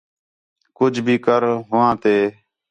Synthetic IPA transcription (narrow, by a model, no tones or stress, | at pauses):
kʊd͡ʒʱbʱiːkəɾɦʊʋãːt̪eː